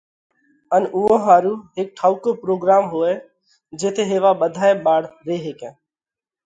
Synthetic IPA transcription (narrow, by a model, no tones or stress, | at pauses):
ənʊɦõɦaːɾuːɦɪk̚ʈʰaːʊkoːpɾoːɡɾaːmɦoːeː | d͡ʒeːt̪ʰeːɦeːʋaːɓəd̪ʱaːeɓaːɽɾeːɦekẽː